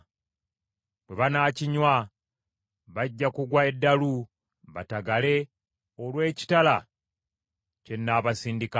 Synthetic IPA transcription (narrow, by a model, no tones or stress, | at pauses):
teβanaːciɲwa | βaɟːakuɡwaedːalu | βataɡale̞ | olwe̞ːci̥tala | ce̞nːaːβasiːndika